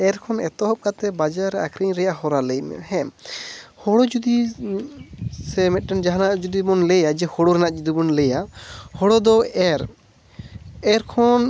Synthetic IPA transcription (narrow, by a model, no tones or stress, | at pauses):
ɛɾkʰɔnɛt̪ɔɦɔp̚kat̪ɛbad͡ʒaɾɛakʰɾiɲɾɛjaɦɔɾalɛjm̰hɛmhɔɽɔd͡ʒud̪i | sɛmɛt̪̚ˀʈɛnd͡ʒaɦanaʔd͡ʒud̪ibɔnlɛjad͡ʒɛhɔɽɔɾɛnaʔd͡ʒud̪ibɔnlɛjahɔɽɔd̪ɔɛɾ | ɛɾkʰɔn